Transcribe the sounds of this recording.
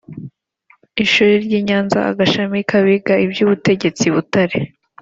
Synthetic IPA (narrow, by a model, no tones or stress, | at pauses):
iʃuɾeɾɟiːɲaːnza̰a̰ɡaʃamikʰaβiɡaibjuːβute̞ɟe̞t͡siβutaɾe